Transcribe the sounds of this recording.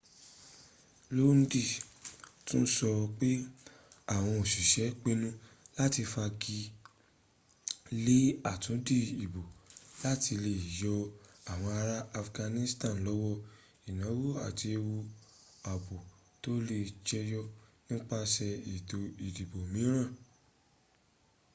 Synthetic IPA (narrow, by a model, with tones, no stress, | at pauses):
lo˦n̩˦di˦˨tũ˦n̩˦sɔ˧k͡pe˦ | a˦˨w̃ɔ̃˧o˨ʃi˨ʃɛ˨˦k͡pe˦nũ˦la˦ti˧fa˧ɡi˧ | le˦a˦˨tũ˨˦di˦i˨bo˨la˦ti˧le˧i˨jɔ˧a˨w̃ɔ̃˧a˧ɾa˦a˧fɡã˧nĩ˧stã˦˨lɔ˨˦wɔ˦˨ | i˨nã˨˦wo˦a˦˨ti˧e˧wo˧ | a˨bo˨ | to˦le˧˨t͡ʃɛ˧jɔ˦nĩ˦k͡pa˦ʃɛ˧i˨do˨i˨di˨bo˨mĩ˨˦ɾ̃ã˦˨